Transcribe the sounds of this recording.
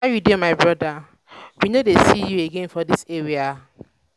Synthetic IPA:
ajudimaɪbɹɔda | winodesijueɡẽnfɔdiseɹia

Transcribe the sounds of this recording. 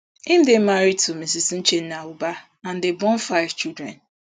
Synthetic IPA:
ɪm̩dem̩maɾitomesisin̩t͡ʃen̩nauba | an̩debɔ̃nfaɪvt͡ʃildɾɛ̰n

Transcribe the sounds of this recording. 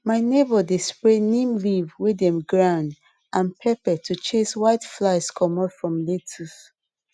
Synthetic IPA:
maɪnebɔdespɹenĩmlivwidɛ̃mɡɹãʊ̃nd | ʔãnpʰɛpɛtʰut͡ʃeswaɪtflaɪskʰɔmɔtfɹɔ̃mletʰus

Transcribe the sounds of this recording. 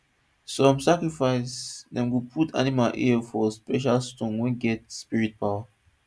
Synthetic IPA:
sɔ̃msakɹifaɪsdɛ̃mwupʰutʰa̰nimalʔifɔspɛʃ̬alstõnwɛ̃nɡɛtspiɹit̚pʰaʊa

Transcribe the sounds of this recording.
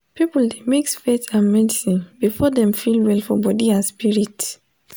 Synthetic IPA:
pipl̩demeksfeθãnmɛdisĩnb̥ifɔðɛ̃mfilwɛlfɔbɔdiãnspiɹit

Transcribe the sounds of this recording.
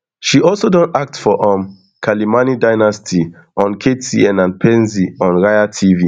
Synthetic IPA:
ʃiʔɔlsodɔ̃nak̚tfɔʔɔm | kʰalimanidajnastʰi | ʔɔ̃nkʰetsiɛ̃nãnpʰɛ̃nziɔ̃nɹajatʰivi

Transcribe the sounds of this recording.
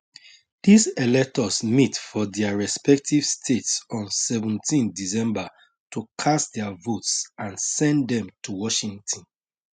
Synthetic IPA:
d̥iselɛk̚tɔsmitfɔdɛaɹɛspɛk̚tiv̥stʰetsɔ̃nsɛvũntʰĩndisɛ̃mba | tʰukʰasdɛavotsãnsɛ̃ndɛ̃mtʰuwɔʃĩŋtʰɔ̃n

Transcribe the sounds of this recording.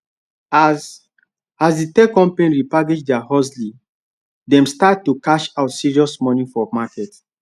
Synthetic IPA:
a | azsditɛkɔ̃mpẽnɹipaɡed͡ʒdɛaɦɔsli | dɛ̃mstat̚tːukaʃaʊtsiɹiɔsmɔnĩfɔmakɛt

